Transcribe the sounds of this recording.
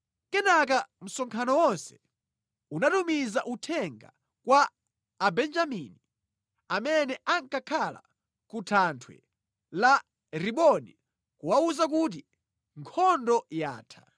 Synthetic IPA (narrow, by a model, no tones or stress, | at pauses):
kɛnak̬am̩sɔŋkʰanɔwɔnsɛ̥ | unatumizaʔutʰɛŋɡa̰ | kwaː | bɛnd͡ʒamini | amɛnɛʔaŋkakʰala̰ | kutʰantʰwɛ̰ | la | ɾiɓɔni | kuwauzak̬ut̬i | ŋkʰɔndɔja̰ːtʰḁ